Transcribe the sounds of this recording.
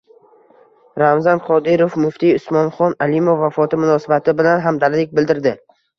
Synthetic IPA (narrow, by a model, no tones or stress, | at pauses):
ɾamzanqʰɒd̪ɪɾofmʊft̪ʰiʊsmɒnχɒnalimofvːafɒt̪ʰɪmʊnɒsabat̪ʰɪbɪlanɦamd̪aɾlɪk̚ʲbɪld̪ɪɾd̪ɪ